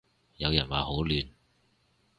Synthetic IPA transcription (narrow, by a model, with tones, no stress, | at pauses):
jɐ˨˧wjɐ˨˩nwaː˨˩ho˨˥wlyː˨n